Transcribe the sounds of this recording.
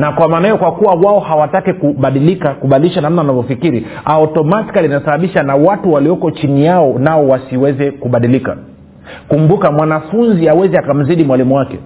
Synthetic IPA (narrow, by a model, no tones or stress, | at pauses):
nakwamaːnaijɔkwakuwawaɔhawatakikuɓaɗilikakuɓaɗiliʃanam̩nawanavɔfikiɾi | aɔtɔmati̥kalinasaɓaɓiʃanawatuwaliɔkɔt͡ʃinijaɔnaɔwasiwɛzɛkuɓaɗilika̰ | kumbukamwanafunziawɛzɛakam̩ziɗimwalimuwakɛ̰